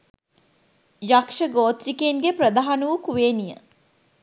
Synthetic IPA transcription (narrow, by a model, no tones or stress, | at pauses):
jakʂəɡoːt̪ɾikeːnɡepɾəd̪aɦanuʋukuʋeːnijə̰